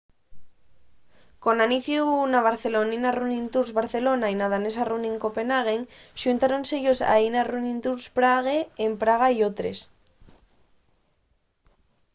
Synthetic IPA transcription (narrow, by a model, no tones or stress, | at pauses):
ko̞naniθjunaβ̞aɾθe̞lo̞ninarunĩnt̪uɾzβaɾθe̞lo̞nainað̞ane̞saruniŋko̞pe̞naɣ̞eŋʃunt̪aɾonseʝosa̰inarunĩnt̪uɾspɾaɣ̞eːmpɾaɣ̞aiot̪ɾe̞̰s